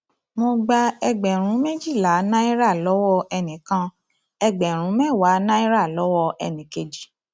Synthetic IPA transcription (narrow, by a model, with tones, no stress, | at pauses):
mo˧ɡ͡ba˧ɛ˧ɡ͡bɛ˨ɾ̃ũ˨˦mẽ˦d͡ʒi˦˨la˨˦nã˦i˦ɾa˦˨lɔ˨˦wɔ˧ɛ˧nĩ˨˦kã˧˦ | ɛ˧ɡ͡bɛ˨ɾ̃ũ˨˦mɛ˦˨wa˨˦nã˦i˦ɾa˦˨lɔ˨˦wɔ˧ʔɛ̰˧nĩ˨ke˧d͡ʒi˨˦